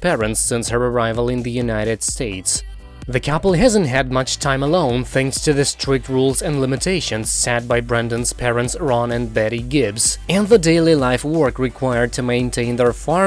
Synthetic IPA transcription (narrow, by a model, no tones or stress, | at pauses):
pʰɛɹɨ̃ntsːɪ̃nshə˞ə˞aɪvəlˠɨ̃nðɨjʉnaɪɾɨd̥steɪts | ðɨkʰæpl̩ˠɦæzɨ̃ntɦɨd̚mʌt͡ʃtʰãɪ̃məlõʊ̃nθæ̃ŋkstʰɨðɪstʰɹ̥ɪk̚tɹulˠzɨ̃nlɪ̃mɨtʰeɪʃɨ̃nz̥sæt̚baɪbɹɛ̃ndɨ̃nz̥pʰɛɹɨ̃ntsɹɑ̃nɨ̃nbɛɾiɡɪbzɨ̃nðədeɪlˠilaɪfwɜ˞kɹɨkʰw̥aɪə˞d̚tʰɨmẽɪ̃ntʰẽɪ̃nðə˞fɑɹ